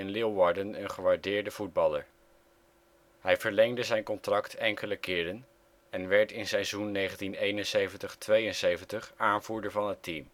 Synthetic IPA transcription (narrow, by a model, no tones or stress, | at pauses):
ɪnlɪwʋɑɹdənənχəʋaːɹdɪːɹdəv̥ud̚bɑləɹ | ɦɛjv̥əɹlɛŋdəzɛjnkɔntrɑktʰɛŋkələkɪːɾən | ɛnʋɛɹtɪnsɛjzunːejχəntinejnənsejvəntəχtʋejənsejvəntəχaːnvuːɹdəɹvɑnɦətim